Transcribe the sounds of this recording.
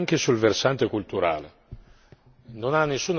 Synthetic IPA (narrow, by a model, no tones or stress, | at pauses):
ŋk̟esulversant̪ekult̪uɾa̰ːlḛ | nonanːesːuːn